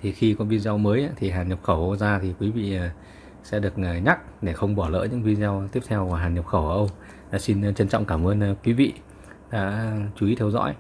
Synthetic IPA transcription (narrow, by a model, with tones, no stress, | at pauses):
t̪ʰi˨˩xi˧kɔ˨˧nvi˧zɛ˧wməː˨˦jʔaː˧˦t̪ʰi˨˩ɦaː˨˩nɲə˨˩p̚xə˧˩wʔə˧zaː˧t̪ʰi˨˩kwi˨˦vḭː˧˨˩ | sɛ̰˧˥ɗɨ˨˩ək̚ːɲa˦˥k̚ɗe˧˩xə˧wŋ͡mɓɔ˧˩lə̰ː˧˥jɲɨ̰˧˥ŋvi˧zɛ˧wt̪i˦˥əp̚t̪ʰɛ˧wva˨˩ɦaː˨˩nɲə˨˩p̚xə˧˩wə˧˩ʔə˧wŋ͡m | aː˨˩si˧n˨t͡ɕə˧nt͡ɕɔ̰˧˨wŋ͡mkaː˧˩mʔəː˧n˧kwi˨˦vḭ˧˨ | ɗa̰ː˧˥˧t͡ɕu˨˦i˨˦t̪ʰɛ˧wzɔ̰˧˥j